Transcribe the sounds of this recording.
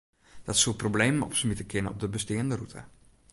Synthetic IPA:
d̥ɔtsulˠprobleːməɔ̰psəmitəkʰɪnəɔ̰b̚dəbəstɪəndərutʰə̰

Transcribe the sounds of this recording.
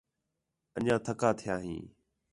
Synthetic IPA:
əɲãːt̪ʰəkaːt̪ʰɪjaːɦḭ̃ː

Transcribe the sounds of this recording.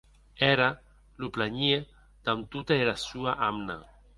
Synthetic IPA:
ɛɾa | luplaɲe | d̪̥amt̪ut̪aelasuaʔamna̰

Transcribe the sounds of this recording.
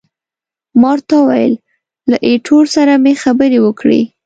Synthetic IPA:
mɑɾt̪ɑwa̰jə̰lː | aʔeʈʰoɾsaɾamexabəɾewəkɽḛ

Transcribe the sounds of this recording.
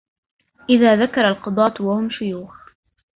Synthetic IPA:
ʔɪðaːðakɑɾˤɑlqɑd̪ˤɑːt̪waʊmʃʊjuːx

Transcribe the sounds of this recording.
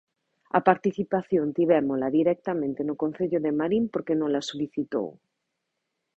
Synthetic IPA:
a̰paɾt̪iθipaθjõnt̪iβ̞emolaðiɾek̚t̪amẽnt̪enokonθeʎoðemaɾimpoɾkenõnlasoliθit̪o̰w

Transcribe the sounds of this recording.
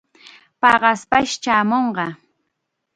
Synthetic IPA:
pɑɢɑspaʃt͡ʃaːmoɴɢɑ

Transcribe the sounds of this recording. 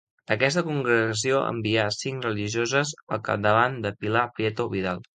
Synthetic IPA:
əkɛst̪əkuŋɡɾəɣəs̬ioʔə̰mbiasiŋkrəliʒiozəzəlˠka̰p̚d̪əβand̪əpilapɾiɛt̪oβiðalˠ

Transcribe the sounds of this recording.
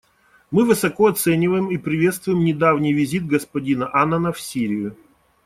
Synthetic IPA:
mɨvɨsɐkoɐt̪sɛnʲɪvəjɪmipɾʲɪvʲe̞t̪st̪vʊjɪmnʲɪd̪avnʲɪjvʲɪzʲid̪̚ɡəspɐdʲinəʔanənəfsʲiɾʲɪjʊ

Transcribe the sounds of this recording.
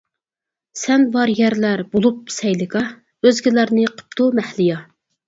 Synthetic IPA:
sɛnbɑɾjɛɾlæɾbolˠup̚sɛjlɪkɑ | øzɡʲɪlæɾnɪqʰə̥p̚t̪ʰumæhlɪjɑ

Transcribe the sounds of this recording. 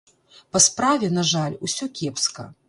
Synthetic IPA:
pɐspɾavʲɛnaʐalʲusʲɔkʲɛpskɐ̰

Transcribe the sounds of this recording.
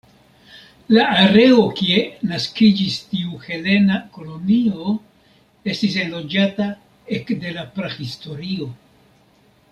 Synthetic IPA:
laaɾe̞o̞kie̞naskid͡ʒistiuhe̞le̞nako̞lo̞nio̞ | e̞stis̬e̞nlo̞d͡ʒata | e̞kde̞lapɾahisto̞ɾio̞

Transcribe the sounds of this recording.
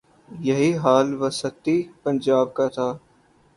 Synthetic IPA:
jɐɦiɦaːlʋɐsɐt̪ːipɐ̃nd͡ʒaːb̚kat̪ʰaː

